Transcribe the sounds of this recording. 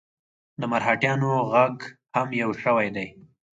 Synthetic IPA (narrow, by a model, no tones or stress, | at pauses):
d̪əmaɾɦɑʈjɑnoɣaɡhamjawʃəwajd̪aj